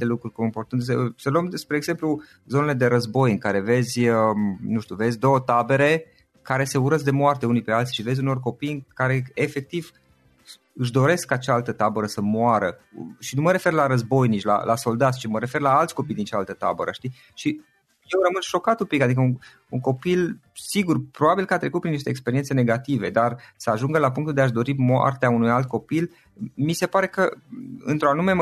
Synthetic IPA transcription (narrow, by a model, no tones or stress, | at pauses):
t̪elukɾurʲkomport̪ɨnsesəluəmd̪espɾeːɡz̥e̞mplu | zo̞nele̞d̪e̞ɾəzbo̞jɨŋkaɾe̞ve̞zʲənuʃt̪uve̞zʲd̪o̞wət̪abe̞ɾe̞ | kaɾe̞se̞uɾəzd̪e̞moart̪e̞unipe̞alt̪it͡ʃive̞zʲuno̞rko̞pijɨŋkaɾe̞efe̞k̚t̪iv | ɨʃ̬d̪o̞ɾe̞skkat͡ʃaalt̪ət̪abəɾəsəmoaɾəʃinuməɾe̞fe̞rlaɾəzbo̞jnit͡ʃʲla̰lʔa̰so̞ld̪at̪sʲt͡ʃiməɾe̞fe̞rlaalt̪sʲko̞pijd̪int͡ʃaalt̪ət̪a̰bəɾəʃt̪i | ʃi | jewrəmɨnʃo̞kat̪upikad̪ikəun | uŋko̞pilsiɡurpɾobabilkəat̪ɾe̞kut̪̚pɾiniʃt̪eːkspe̞ɾient̪se̞ne̞ɡat̪ive̞d̪arsəaʒuŋɡəlapuŋkt̪ud̪eaʃd̪o̞ɾimoa̰rt̪eaunujalt̪̚ko̞pil | mise̞paɾe̞kəɨ̰nt̪ɾoanume̞m